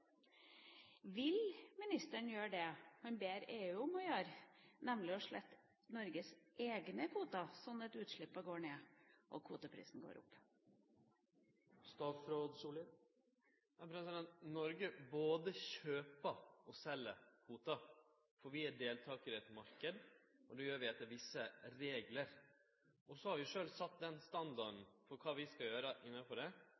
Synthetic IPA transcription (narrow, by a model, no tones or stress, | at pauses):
ʋɪlmɪnɪst̪əɳjøːɖɛmɑnbeːɾeːʉːʊmɔjøːɾnɛmlɪɔʂɭɛt̪ː | nɔɾɡəsʔeːɡnəkʰuːt̪ɑsɔnɛt̪ʉːt̪ʂɭɪpːɑɡoːɳeːʔɔ̰kʰuːt̪ɑpʰɾḭːsn̩ɡo̰ːɾʔʊ̰pː | st̪ɑːfɾoːd̪suːlə | jɑpʰɾɛsɪd̪ɛnt̪nɔɾɡəboːd̪əçøːpəɔsɛlːəkʰuːt̪ɑ | fɔɾʋɪæɖeːlt̪ʰɑːkəɾɛt̪mɑɾkəd̪ɔd̪ɛjøːɾʋɪɛt̪ːəɾʋɪsːəɾeːɡləɾ | ɔsɔhɑɾʋɪʂøːlsɑt̪ːd̪ɛnst̪ɑnd̪ɑɖn̩fɔɾkʰɑːʋɪskɑjøːɾəʔɪnːɑfɔɖɛ